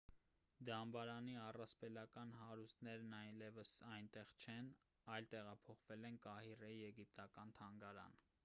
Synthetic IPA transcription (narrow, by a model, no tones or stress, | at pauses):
d̪ɑmbɑɾɑniɑrɑspɛlɑkɑnɦɑɾust̪nɛɾnɑjlɛvəsɑjnt̪ɛʁt͡ʃʰɛn | ɑjlt̪ɛʁɑpʰɔχvɛlɛnkɑhirɛjɛɡip̚t̪ɑkɑnt̪ʰɑŋɡɑɾɑ̰n